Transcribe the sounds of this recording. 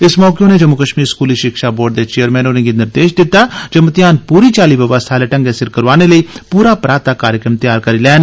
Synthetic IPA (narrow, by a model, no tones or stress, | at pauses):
ɪsmɔːkeõned͡ʒəmʊkəʃmiːɾskuːliʃɪkʃaːboːɖ̚d̪et͡ʃeːəɾmɛ̃ːnonẽɡinɪɾd̪eːʃd̪ɪt̪ːaːd͡ʒəmət̪jaːnpuːɾit͡ʃaːliʋəʋəst̪ʰaːleʈə̃ŋɡesɪɾkəɾʋaːneləiːpuːɾapɾaːt̪aːkaːɾjəkɾəmt̪jaːɾkəɾilɛːn